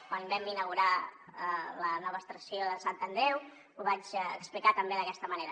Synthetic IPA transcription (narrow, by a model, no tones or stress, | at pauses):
kwanbɛminəɣuɾaələnɔβəst̪ɾəsijoðəsant̪ənd̪ɾɛw | uβat͡ʃəksplikat̪əmbeðəkɛst̪əməneɾə